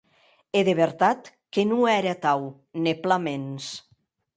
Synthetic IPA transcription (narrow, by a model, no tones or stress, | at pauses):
eðeβeɾt̪at̪ | kenuɛɾet̪aw | neplamens